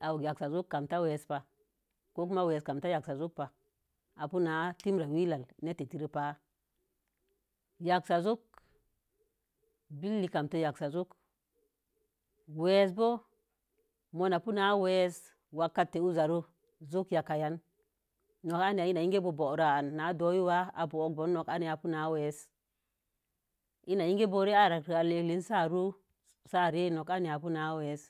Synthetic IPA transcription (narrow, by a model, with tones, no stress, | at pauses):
a˨ja˨ksa˨zu˦kːa˨mta˦we˨spa˨ | ko˦k̬u˦ma˦we˨ska˨mta˦ja˨ksa˨zu˦k̚pa˨ | a˨pu˦na˨˦ti˦mɾa˨wi˦la˨lne˦te˨ti˦ɾi˦pa˦ | ja˨ksa˨zu˦k | bi˦lːi˨ka˨mto˦ja˨ksa˨zu˦k | we˦s̬bo˦ | mo˨na˨pu˦na˨˦we˦s | wa˨kːa˦tːe˨u˦za˨ɾu˦ | zu˦kja˨ka˨ja˦nː | o˨ka˦n˨a˨i˦na˨ji˦ŋɡe˦bo˨bo˨ɾa˨a˨nːa˨˦do˨˦ju˦wa˦a˨bo˨o˨˦k̚bo˨˦nː˦o˨ka˦ni˨a˨pu˦na˨˦we˨˦s | i˦na˨ji˦ŋɡe˦bo˦ɾe˦a˦˨ɾa˨kɾi˨a˨le˨kli˦nsa˦˨ɾu˦ | sa˦˨ɾe˦no˨ka˦ni˨a˨pu˦na˨˦we˨˦s